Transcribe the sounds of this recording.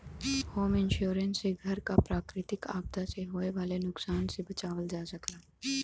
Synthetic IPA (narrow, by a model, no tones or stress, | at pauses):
hoːmɪnʃjuːɾənsːeɡʱɐɾkapɾaːkɾɪt̪ɪkaːb̚d̪ʱaseɦoːeʋaːlenʊksaːnsebɐt͡ʃaːʋəld͡ʒaːsɐklaː